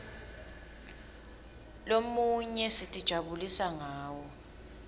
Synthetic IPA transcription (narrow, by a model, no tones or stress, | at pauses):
lomuɲɛsitʼid̥ʒ̥ʱaɓulisaŋaːwɔ